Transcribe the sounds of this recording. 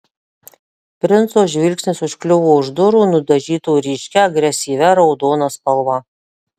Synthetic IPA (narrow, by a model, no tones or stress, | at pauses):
pʲɾʲɪnt̪soːʒʲʋʲɪlʲkʲsʲnʲɪsʊʃklʲʊʋuːʊʒd̪ʊɾuːnʊd̪ɐʒʲiːt̪uːɾʲiːʃʲkʲɛɐɡɾʲɛsʲiːʋʲɛɾɒʊd̪oːnɐspɐlˠʋɐ